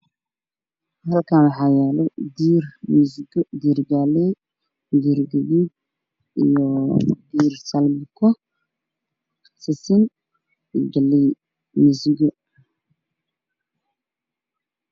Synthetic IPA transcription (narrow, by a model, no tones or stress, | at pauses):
hɐlkʰanwɑħɑːjaːlɛd̪iːrmɪsɡd̪iːrɡaːlɛ | d̪iːɾɡɐβiːd̚ | ḭjɔd̪iːrsɐlmɪkʰɔ | sɪsɪn | ɪɡɐlːɛj | mɪsɡɔ